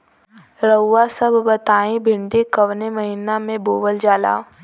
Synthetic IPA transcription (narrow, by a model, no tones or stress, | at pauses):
ɾəasɐbʱbɐt̪aːĩbʱɪ̃ɳɖekɐʋnemɐɦiːnamẽboːʋəld͡ʑaːla̰ː